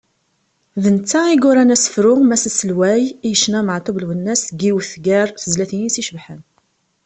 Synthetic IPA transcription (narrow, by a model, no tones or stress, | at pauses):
ðənt͡sːæiɡʊɾænæsə̥fɾʊʁmæsæsəlwæjijəʃnæməʕt̪ˤublwənːæsɡiwθɡæɾˤθəzlæθinisiʃəvħən